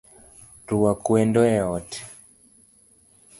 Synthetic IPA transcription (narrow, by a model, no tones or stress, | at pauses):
ɾuwakuɛndɔɛɔtɛ̥